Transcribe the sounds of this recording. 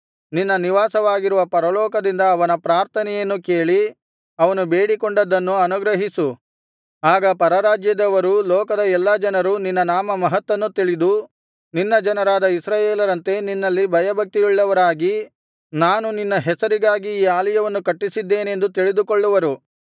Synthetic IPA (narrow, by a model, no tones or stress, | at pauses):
ninːɐniʋaːsɐʋaːɡiɾuʋɐpɐɾɐlɔːkɐd̪ind̪ɐːʋɐnɐpɾaːɾt̪ʰɐnɛjɐnːuke̞ːɭi | ɐʋɐnube̞ːɽikoɳɖɐd̪ːɐnːuɐnuɡɾɐɦisu | aːɡɐpɐɾɐɾaːd͡ʒjɐd̪ɐʋɐɾulɔːkɐd̪ɐɛlːɐd͡ʒɐnɐɾuninːɐnaːmɐmɐɦɐt̪ːɐnːut̪iɭid̪u | ninːɐd͡ʒɐnɐɾaːd̪ɐisɾaːjeːlɐɾɐnt̪e̞ninːɐlːibʱɐjɐbʱɐk̚t̪iiɭːɐʋɐɾaːɡi | naːnuninːɐɦɛsɐɾiɡaːɡiːaːlɐjɐʋɐnːukɐʈːisid̪ːe̞ːne̞nd̪ut̪iɭid̪ukoɭːuʋɐɾu